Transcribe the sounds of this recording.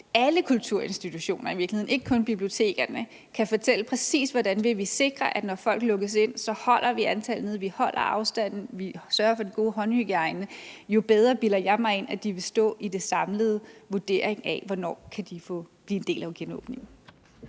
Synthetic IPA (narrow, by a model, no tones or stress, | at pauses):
æləkʰult͡sʰuɐ̰e̝nsd̥it͡sʰuɕo̝̰ːnɐiʋiɐ̥lihe̝ð̰ˠne̝ɡ̥əkʰɔ̽nb̥ib̥lio̝t͡sʰe̝̰ːɡ̥ɐnə | kʰæfɒ̽t͡sʰel̰əpʰʁɛsḭːsʋɒdænʋe̝ʋise̝ɡ̥ʁɐʔæ̥nɒfɒ̽l̰ɡ̥lɔ̽ɡ̥əs̬e̝n̰sɒ̽hɒ̽l̰ʔɐʋiænt͡sʰæln̩eðˠʋihɒ̽l̰ʔɐ̰ɑ̈ʊsd̥æn̰n̩ʋisɶːɐɐfɒ̽d̥enɡ̥o̝ːɦɒ̽nyɡ̥əɑ̈ɪnəjo̝b̥eð̞ˠʁɐb̥ilɐjɑ̈ɪmɑ̈ɪe̝næd̥iʋe̝sd̥ɔ̰̽ːid̥e̝sɑ̈mləð̞̩ˠʋuɐd̥e̝̰ɐ̰eŋæʋɒnɒ̰ːkʰæd̥ifɔ̽b̥liːe̝nd̥e̝̰ːlæʊɡ̥enɔ̰̽ːb̥ne̝ŋn̩